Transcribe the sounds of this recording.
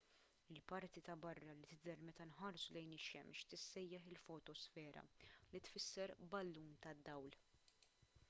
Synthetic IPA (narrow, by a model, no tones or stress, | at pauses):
ɪlpɐɾt̪it̪ɐbɐrːɐlit̪ɪd̪ɛɾmɛt̪ɐnħɐɾsulɛjnɪʃɛ̰mʃt̪ɪsːɛjːɛħɪlfɔt̪ɔsfɛːɾɐ̰lit̪fɪsːɛɾbɐlːuːnt̪ɐd̪ːɐwl